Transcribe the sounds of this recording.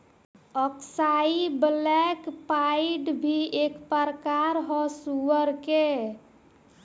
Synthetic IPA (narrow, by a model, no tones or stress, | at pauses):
ɔksaiblɛkpaiɖbʱiekpəɾkaɾɦɔsuəɾke